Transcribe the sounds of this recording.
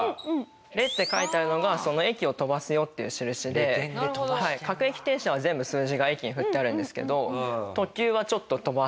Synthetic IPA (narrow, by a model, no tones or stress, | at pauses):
ɾe̞t̪ːe̞kait̪eaɾɯ̟no̞ɡaso̞no̞e̞kʲio̞t̪o̞basɨjo̞t̪ːe̞jɯ̟ɕiɾɯ̟ɕid̪e̞haikakɯ̟e̞kʲi̥t̪e̞ːɕaβ̞azẽ̞mbɯ̟sɨːʑiɡae̞kʲiɲ̟iɸɯ̟t̪ːe̞aɾɯ̟̃nd̪e̞sɨ̥ke̞̰d̪o̞t̪o̞kʲɨːβ̞at͡ɕo̞t̪ːo̞t̪o̞ba